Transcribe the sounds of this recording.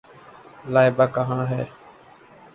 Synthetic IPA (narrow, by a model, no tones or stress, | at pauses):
laːɪbaːkəɦãːɦɛ̰ː